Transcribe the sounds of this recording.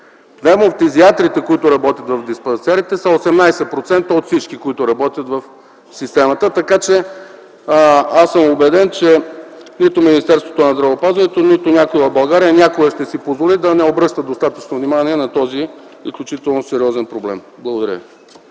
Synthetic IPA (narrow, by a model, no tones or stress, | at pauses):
nɛmoft̪iziat̪ɾit̪ɛkoit̪ʊɾɐbɔt̪ʲjɐt̪vɐfd̪ispɐnsɛɾit̪ɛsɐosɛmnajsɛpɾot̪sɛnt̪əot̪fsit͡ʃkikoit̪ʊɾɐbɔt̪ʲjɐt̪vɐf | sist̪ɛmɐt̪ət̪ɐkat͡ʃɛ | asːəmobɛd̪ɛnt͡ʃɛnit̪ominist̪ɛɾst̪vot̪onɐzd̪ɾɐvəoːpazvɐnɛt̪onit̪ʊnʲakojɐbɐlˠɡaɾijənʲakoɡəʃt̪ɛsipozvolid̪ɐnɛobɾɤʃt̪əd̪ost̪at̪ət͡ʃnovnimaniɛnɐt̪ɔzi | isklʲut͡ʃit̪ɛlˠnosɛɾiɔzɛnpɾoblɛ̰mblˠɐɡod̪ɐɾə̰vi